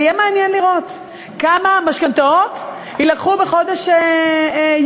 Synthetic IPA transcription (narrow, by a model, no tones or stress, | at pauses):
jɛmeanjɛnliʁo̞t̪ | kamamaʃkant̪aot̪ | hilakχubeχo̞d̪eʃe | j